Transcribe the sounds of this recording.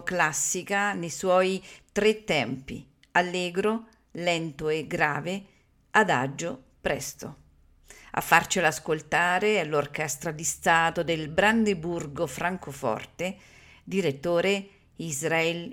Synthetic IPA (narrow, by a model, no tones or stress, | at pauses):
klasːikanejswɔjt̪ɾet̪ːɛmpḭ | alːɛːɡɾo | lɛnt̪oeɡɾaːve | ad̪a̰d͡ʒːo | pɾɛst̪o | a̰fːart͡ʃelaskolt̪aːɾealorkɛst̪ɾad̪ist̪aːt̪od̪elbɾand̪eburɡofɾaŋkofɔ̰rt̪e | d̪iɾet̪ːoːɾe | izɾaɛl